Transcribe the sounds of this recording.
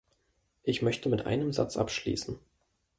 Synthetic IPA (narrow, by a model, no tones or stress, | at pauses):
ʔɪçmœçtəmɪtʔa̰ɪnəmza̰t͡sʔa̰pʃlḭːsn̩